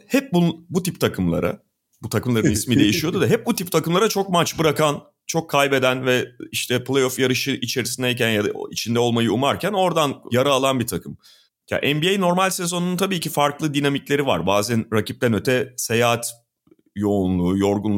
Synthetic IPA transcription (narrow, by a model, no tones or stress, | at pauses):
hɛp̚bunbut̪ʰip̚t̪ʰakʰɯmlˠa̰ɾʔa̰ | but̪ʰakɯmlˠaɾɯnismiːd̪e̞jiʃijo̞d̪ud̪aɦɛp̚but̪ʰip̚t̪ʰakɯmlˠaɾat͡ʃʰo̞k̚mat͡ʃbɯɾakan | t͡ʃʰo̞kʰːajbe̞d̪ænvɛiʃt̪ʰɛplʲˠejofjaɾɯʃɯʔit͡ʃʰe̞ɾisind̪ɛjc̬ænjad̪a̰it͡ʃʰind̪ɛo̞lˠmajɯumaɾcʰæno̞ɾd̪anjaɾaːlˠanbit̪ʰakʰɯm | ja̰ʔɛnbiejno̞ɾmalʲsezo̞nuunt̪ʰabiːcifaɾklˠɯd̪inamiclʲe̞ɾiva̰ɾbaːzænɾacʰip̚t̪ʰænøt̪ʰɛse̞jaɦat̪ | jo̞unlˠuːjo̞ɾɡunlˠ